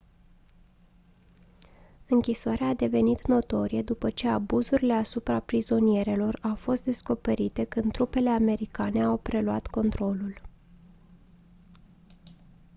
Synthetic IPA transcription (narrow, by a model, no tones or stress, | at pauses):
ɨŋkʲisoaɾeaːd̪e̞ve̞nit̪no̞t̪o̞ɾijed̪upət͡ʃe̞abuzuɾile̞asupɾapɾizo̞nije̞ɾe̞lo̞rawfo̞st̪̚d̪e̞sko̞pe̞ɾit̪e̞kɨnd̪t̪ːɾupe̞le̞ame̞ɾikane̞awpɾe̞luat̪ko̞nt̪ɾo̞lul